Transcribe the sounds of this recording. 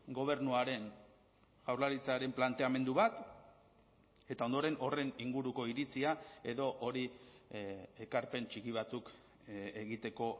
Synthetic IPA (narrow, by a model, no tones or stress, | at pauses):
ɡo̞β̞e̞ɾnuaɾe̞n | ʝawɾlaɾit͡saɾe̞mplant̪e̞ame̞nd̪uβat̪ | e̞t̪ao̞nd̪o̞ɾe̞nʔo̞re̞niŋɡuɾuko̞iɾit͡siae̞ðo̞ʔoɾi | e̞kaɾpe̞nt͡ʃikiβat͡suk | eɣit̪e̞ko̞